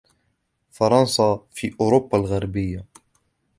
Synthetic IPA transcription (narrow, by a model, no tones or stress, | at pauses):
fɑɾˤɑnsɑfiːʔʊɾʊbːalɣaɾˤbɪjːa